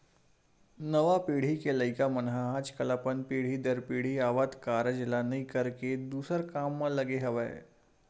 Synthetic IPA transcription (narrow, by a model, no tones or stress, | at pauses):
nəʋapiɽ̤ikeləikamənɦaːd͡ʒkəlapənpiɽ̤iːd̪əɾpiɽ̤iaʋat̪kaɾəd͡ʒlanəikəɾked̪usəɾkamːaləɡeɦəʋaj